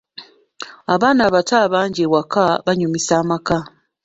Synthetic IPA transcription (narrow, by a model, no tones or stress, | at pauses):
aβaːnaːβataβaːɲɟewakaβaɲumisaːmaka